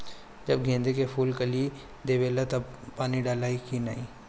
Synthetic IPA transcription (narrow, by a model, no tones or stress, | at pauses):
d͡ʒɐbɡʱẽːnd̪ekepʰuːlkɐli | d̪eːʋeːlat̪ɐbpaːniɖaːlaːikinaĩː